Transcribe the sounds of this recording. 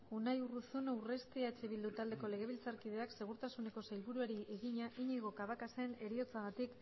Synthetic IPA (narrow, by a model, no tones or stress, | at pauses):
unajurusunawre̞st̪iaet͡ʃe̞βild̪ut̪ald̪eko̞le̞ɣ̞e̞β̞ilt͡saɾkið̞e̞akse̞ɣ̞uɾt̪asune̞ko̞sajlβuɾueɾiʔe̞ɣiɲaʔiɲiɣo̞kaβakase̞ne̞ɾio̞t͡saɣ̞at̪ik